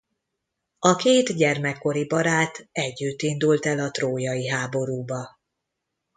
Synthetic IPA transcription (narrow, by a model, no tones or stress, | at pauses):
ɒkeːt̪ɟɛrmɛkːo̞ɾibɒɾaːt̪ɛɟːyt̪ːind̪ult̪ɛlɒt̪roːjɒjiɦaːbo̞ɾuːbɒ